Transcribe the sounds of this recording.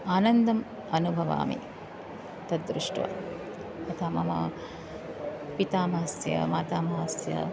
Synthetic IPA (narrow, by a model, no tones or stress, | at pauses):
aːnɐnd̪ɐm | ɐnubʱɐʋa̰ːmḭ | t̪ɐt̪̚d̪ɾiʂʈṵʋa̰ | ɐt̪ʰaːmɐmɐ̰ | pit̪aːmɐɦɐsjɐ̰maːt̪aːmɐɦɐsjɐ̰